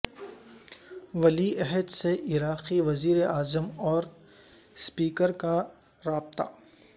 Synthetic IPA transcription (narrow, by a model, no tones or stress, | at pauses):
ʋɐliɛɦəd̪seʔɪɾaːqiʋɐziːɾeaːzəmɔːɾ | spiːkəɾka | ɾaːb̚t̪a̰ː